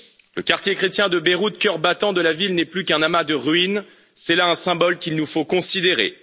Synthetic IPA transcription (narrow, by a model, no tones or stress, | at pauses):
ləkaʁt̪jekχet̪jɛ̃d̪əbeʁut̪̚kœʁbat̪ɑ̃d̪əlavilnɛplykɛ̃namad̪əʁɥin | sɛlaɛ̃sɛ̃bɔlkʲilnufokɔ̃sid̪eʁḛ